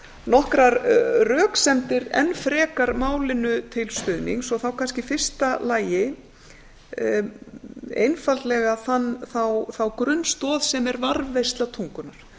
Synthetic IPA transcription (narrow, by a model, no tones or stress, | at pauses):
nɔhkɾaɾrœːksɛmt̪ɪɾɛ̰nːfɾɛːkaɾmaːwlɪnʏt̪ʰɪlst̪ʏðniŋsɔθawkʰanscɪfɪr̥st̪alaːjɪ | ḛjnfalt̪lɛɣaθanːθawθawkɾʏnːst̪ɔːðsɛmɛɾvaɾvːejst̪lat̪ʰuŋkʏnaɾ̥